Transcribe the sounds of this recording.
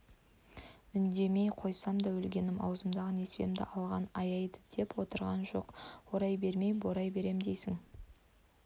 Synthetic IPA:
ʏnd̪e̞me̞jqʰo̞jsɑmd̪ɑwɵlɡʲe̞nɪmɑ̰wzəmd̪ɑʁəne̞spe̞̰md̪ɪ̰ʔɑlˠʁɑnɑjɑjd̪əd̪̥e̞pwo̞t̪əɾʁɑnʒo̞̰qwoɾɑjbe̞ɾme̞jboɾɑjbe̞ɾe̞md̪e̞jsɪŋ

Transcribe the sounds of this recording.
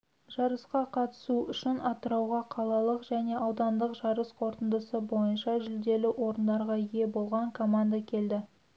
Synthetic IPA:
ʒ̥ɑɾəsqɑqʰɑt̪ə̥suʏʃɪnɑt̪əɾɑwʁɑqʰɑlˠɑlˠəqʒæne̞ʔɑwd̪ɑnd̪əqʒɑɾəsqʰo̞ɾt̪ənd̪əsəbo̞jənʃɑʒʏld̪e̞lɪʔo̞ɾənd̪ɑɾʁɑje̞bo̞lˠʁɑŋkʰo̞mand̪akʲʰe̞ld̪ɪ

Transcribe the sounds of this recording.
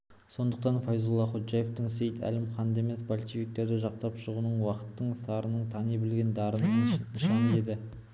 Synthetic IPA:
so̞nd̪əq̚t̪ɑnfɑjzulˠːɑχot̪ʒɑje̞ft̪ɪɴsejt̪ʰæ̰lɪmqʰɑnd̪e̞me̞sbolʲʃifʲik̚t̪e̞ɾd̪ɪʒɑq̚t̪ɑpʃəʁunəɴwɑqə̥t̪ːəɴsɑɾənəɴt̪ʰɑnijbɪlɡʲe̞nd̪ɑɾənnənʃɑne̞d̪ɪ

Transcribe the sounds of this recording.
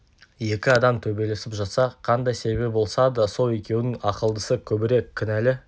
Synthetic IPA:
je̞kʲɪɑd̪ɑmt̪ʰɵbe̞jle̞sɪpʒɑt̪sɑqʰɑnd̪ɑjse̞be̞p̚bo̞lˠsɑd̪əso̞lˠe̞kʲe̞wɪnɪŋɑqəlˠd̪əsəkʲʰɵbɪɾe̞kʲʰːʏnælɪ

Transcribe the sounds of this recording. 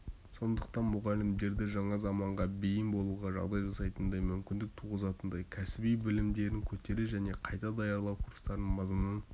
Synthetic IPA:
so̞nd̪əqt̪ɑnmʊʁɑlɪmd̪e̞ɾd̪ɪʒɑɴɑzɑmɑɴʁɑbejɪnbo̞lˠuʁɑʒɑ̰ʁd̪ɑjʒɑsɑjt̪ənd̪ɑjmʏmkʲɪnd̪ɪk̚t̪ʰuʁəzɑt̪ənd̪ɑjkʲʰæsɪbijbɪlɪmd̪e̞ɾɪŋkʲʰɵt̪e̞ɾeʒæne̞qʰɑjt̪ɑd̪ɑjɑɾlˠɑwkʰuɾst̪ɑɾənmɑzmnəɴ

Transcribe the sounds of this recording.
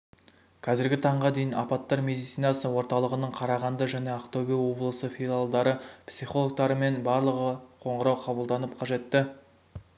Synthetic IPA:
kʰɑzɪɾɡʲɪt̪ʰɑɴʁɑd̪e̞jɪnɑpɑt̪ːɑɾmʲe̞d̪ijt̪sijnɑsəwo̞ɾt̪ɑlˠəʁənəɴqʰɑɾɑʁɑnd̪əʒæne̞aqt̪oɡʲijwo̞blˠəsəfilˠalˠd̪ɑɾəpsiχo̞lˠok̚t̪ɑɾəme̞nbɑɾlˠəʁəqʰo̞ɴʁəɾɑwqʰɑbəlˠd̪ɑnəp̚qʰɑʒe̞t̪ːɪ

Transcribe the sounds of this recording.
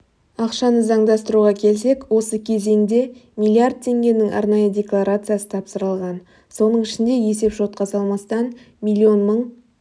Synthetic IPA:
ɑqʃɑnəzɑɴd̪ɑst̪əɾuʁɑkʲʰe̞lse̞kwo̞səkʲʰe̞ze̞ŋd̪e̞mʲilˠiard̪̚t̪ʰe̞ŋɡʲe̞nɪŋɑ̰ɾnɑjəd̪ʲe̞klˠaɾat̪sɨjasə̥t̪ʰɑpsəɾəlˠʁɑn | so̞nəɴɪʃɪnd̪e̞je̞s̬e̞pʒo̞t̪̚qɑsɑlˠmɑst̪ɑn | mʲilʲːio̞nməɴ

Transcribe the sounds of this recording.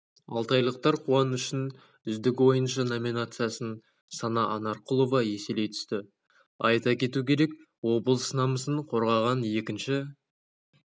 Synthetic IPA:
ɑ̰lˠt̪ɑjlˠəq̚t̪ɑɾqʰuɑnʏʃɪn | ʏzd̪ɪkʲwo̞jənʃɑno̞minat̪sɨjasən | sɑnɑʔɑnɑɾqʊlˠo̞vɑje̞se̞lejt̪ʰʏ̥st̪ɪ | ɑ̰jt̪ɑkʲʰe̞t̪ukʲʰe̞ɾe̞k | wo̞bəlˠsənɑməsəɴqʰo̞ɾʁɑʁɑnje̞kʲɪnʃɪ

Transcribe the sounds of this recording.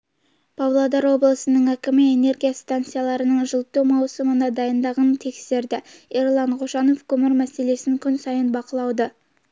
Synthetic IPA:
pʰɑblˠɑd̪ɑɾwo̞blˠəsənəɴækʲɪmɪe̞ne̞ɾɡʲijast̪ant̪sɨjalˠɑɾənəɴʒəlˠt̪ːowmɑwsəmənɑd̪ɑjənd̪ɑʁɑnt̪ʰe̞kse̞ɾd̪ɪeɾlˠɑɴqʰoʃɑno̞fkʰʲɵmɪɾmæse̞le̞sɪŋkʲʰʏnsɑjənbɑqəlˠɑwd̪ə

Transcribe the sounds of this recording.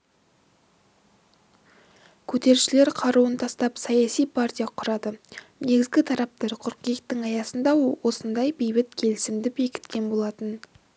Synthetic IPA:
kʲʰɵt̪e̞ɾʃɪle̞ɾqʰɑɾuənt̪ʰɑst̪ɑpsɑjɑsijpʰartʲijɑqʰʊɾɑd̪əne̞ɡʲɪzɡʲɪt̪ʰɑɾɑp̚t̪ɑɾqʰʊɾqijɪkt̪ːɪŋɑjɑsənd̪ɑwo̞sənd̪ɑjbejbɪt̪kʲʰe̞lɪsɪmd̪ɪbe̞kʲɪ̥t̪kʲe̞nbo̞lˠɑt̪ən

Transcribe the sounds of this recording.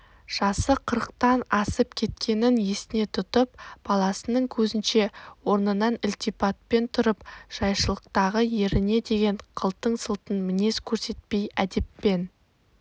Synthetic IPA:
ʒ̥ɑsəqʰəɾəq̚t̪ɑnɑsəp̚kʲʰe̞t̪̚kʲʰe̞nɪnje̞sɪne̞t̪ʰʊt̪əp̚b̥ɑlˠɑsənəɴkʲʰɵzɪnʃe̞wo̞ɾnənɑnɪlʲt̪ijpɑt̪̚pe̞nt̪ʰʊɾəpʒ̥ɑjʃəlˠəq̚t̪ɑʁəje̞ɾɪne̞d̪e̞ɡʲe̞ɴqʰəlˠt̪əɴsəlˠt̪ənmɪne̞skʲʰɵɾse̞t̪̚pe̞jæd̪e̞pːe̞n

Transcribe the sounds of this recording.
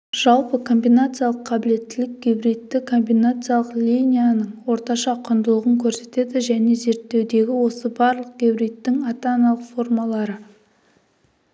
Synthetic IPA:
ʒ̥ɑlˠpəkʰo̞mbijnat̪sɨjalˠəqʰːɑbɪle̞t̪ːɪlɪk̚ɡʲebɾijt̪ːɪkʰo̞mbijnat̪sɨjalˠəqlʲijnʲijanəɴwo̞ɾt̪ɑʃɑqʰʊnd̪əlˠəʁəŋkʲʰɵɾse̞t̪e̞d̪ɪʒæne̞ze̞ɾt̪ːe̞wd̪e̞ɡʲɪwo̞səbɑɾlˠəq̚ɡʲebɾijt̪ːɪŋɑt̪ɑnɑlˠəqfo̞rmɑlˠɑɾə

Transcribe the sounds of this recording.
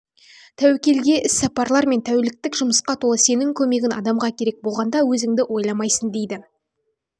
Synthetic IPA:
t̪ʰæwekʲe̞lɡʲe̞ʔɪsːɑpɑɾlˠɑɾme̞nt̪ʰæwlɪk̚t̪ɪkʒʊməsqɑt̪ʰolˠəse̞nɪŋkʲʰɵme̞ɡʲɪnɑ̰d̪ɑmʁɑkʲʰe̞ɾe̞k̚bo̞lˠʁɑnd̪ɑwɵzɪŋd̪ɪwo̞jlˠɑmɑjsənd̪e̞jd̪ɪ

